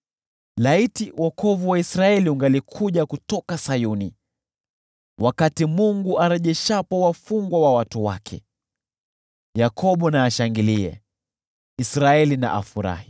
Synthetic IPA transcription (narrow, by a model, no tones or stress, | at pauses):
laitiwʔɔkʰɔvuwaisɾaɛliuŋɡalikʰuʄakutɔkasajuni | wʔakatimuŋɡuʔaɾɛʄɛʃapɔwafuŋɡwawawatuwa̰kʰɛ̰ | jakʰɔɓɔnaːʃaŋɡiliɛ̰ | isɾaɛlina̰ʔafuɾa̰hi